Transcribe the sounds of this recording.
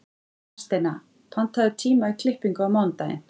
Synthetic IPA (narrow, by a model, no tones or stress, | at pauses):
ɛ̥st̪ena | pʰan̥t̪ʰaðʏt̪ʰiːmaikʰlɪhpiŋkʏawmawnt̪aɪ̰n̥